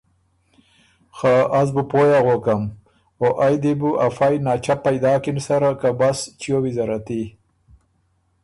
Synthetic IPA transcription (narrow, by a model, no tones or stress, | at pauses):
xaʔazbupojaɣokam | oʔajd̪ebuʔafajnɑt͡ʃapajd̪ɑːkinsaɾakabast͡ʃijowizaɾat̪i